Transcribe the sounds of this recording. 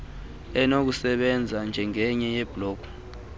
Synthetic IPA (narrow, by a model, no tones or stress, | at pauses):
ɛnok̬usɛɓɛnd͡zʱand͡ʒʱɛŋɛɲɛjɛb̥ʱlɔːɡ̥ʱu̥